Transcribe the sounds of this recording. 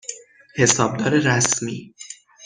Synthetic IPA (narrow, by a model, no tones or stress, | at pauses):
he̞sɒːb̚d̪ɒːɾeɾæsmiː